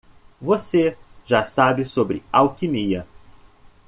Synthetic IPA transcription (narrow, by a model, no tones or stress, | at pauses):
voseʒasabɪsobɾɪ̰awkimiɐ